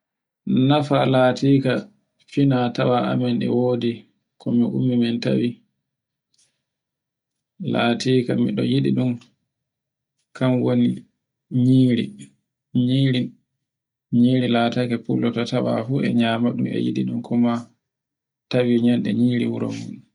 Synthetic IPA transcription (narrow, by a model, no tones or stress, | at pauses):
nafalaːtiːka | finatawaʔa̰mɛnɗɛ̰woːdi | kʰɔmiʔumːimɛnta̰wi | laːtiːkamiɗɔjiɗiɗum | kamwoni | ɲiːɾi | ɲiːɾi | ɲiːɾilatakɛpulːɔtatawa̰fuɛ̰ɲaːmaɗumɛ̰jḭɗiɗumkʰɔma | tawiɲanɗɛɲiːɾiwuɾɔ̰mun